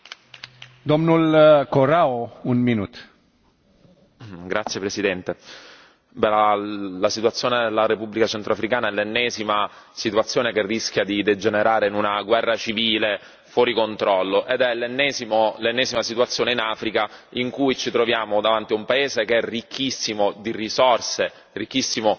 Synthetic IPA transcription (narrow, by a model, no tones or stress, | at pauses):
d̪omnulkoɾaounminut̪ | ɡɾat̪sːjepɾesid̪ɛnt̪e | bɛlalasit̪uat̪sːjoːned̪elːaɾepubːlikat͡ʃent̪ɾoafɾikaːnaɛlːenːɛːzimasit̪uat̪sːjoːnekerːisk̟jad̪id̪ed͡ʒeneɾaːɾeinunaɡwɛrːat͡ʃiviːle | fwɔːɾikont̪ɾɔlːoʔed̪ɛlːenːɛːzimolenːɛːzimasit̪uat̪sːjoːneinafɾikaiŋkujt͡ʃit̪ɾovjaːmod̪avant̪iumpaeːzekeɛrikʰːisːimod̪irisɔrse | rikːisːimo